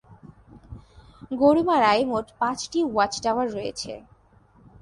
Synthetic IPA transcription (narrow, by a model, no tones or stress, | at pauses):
ɡoɽumaɾaemoʈpãt͡ɕʈiwat͡ɕɖawaɾːoḛt͡ɕʰḛ